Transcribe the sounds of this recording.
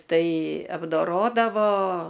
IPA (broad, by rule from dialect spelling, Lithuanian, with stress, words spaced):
ˈtɐɪ ɐbdoːˈroːdɐʋoː